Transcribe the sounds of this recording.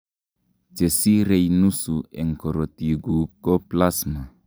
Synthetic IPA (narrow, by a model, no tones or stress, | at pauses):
t͡ʃesiɾejnusueŋkoɾotiɡukoplasma